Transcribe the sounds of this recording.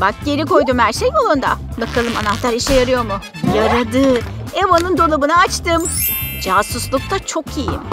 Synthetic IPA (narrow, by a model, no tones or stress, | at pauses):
bak̚ɟe̞ɾiko̞jd̪umhæɾʃejbolˠond̪a̰bakʰalˠɯma̰naht̪ʰaɾiʃɛjaɾɯjo̞mʊ | jaɾad̪ɯ | evanɯnd̪o̞lˠabɯnaːt͡ʃt̪ʰɯmd͡ʒasuslˠuk̚t̪at͡ʃʰo̞kʰijḭm